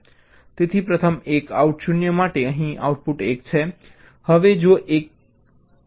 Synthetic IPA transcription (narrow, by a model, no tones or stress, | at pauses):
t̪et̪ʰipɾət̪ʰəmekauʈʃunjəmaʈeəɦĩa̰uʈ̚puʈekt͡ʃʰe | həʋed͡ʒoʔek̚